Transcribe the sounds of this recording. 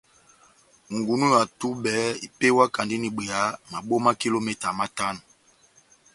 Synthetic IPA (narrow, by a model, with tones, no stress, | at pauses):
ŋɡu˨nu˦ja˨tu˦ɓɛ˨˦i˨pe˦wa˦ka˨ndi˦ni˨ɓe˨a˨˦ma˨ɓo˦ma˦ki˦lo˦mɛ˦ta˨ma˦ta˦nu˨